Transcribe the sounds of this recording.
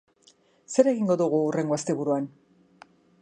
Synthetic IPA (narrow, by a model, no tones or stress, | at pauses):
se̞ɾe̞ɣiŋɡo̞ðuɣuːre̞ŋɡo̞ast̪e̞βuɾuan